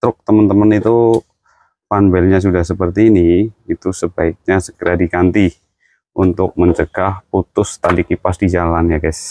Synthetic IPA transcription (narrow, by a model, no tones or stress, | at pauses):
t̪ɾʊk̚t̪əmənt̪əmənit̪u | panbɛlɲas̬udahsəpərt̪iːniit̪usəbaɪk̚ɲasəkəɾadikant̪i | unt̪ʊk̚məɲt͡ʃəɡ̥ahput̪ʊst̪alikipasdid͡ʒalanjaɡas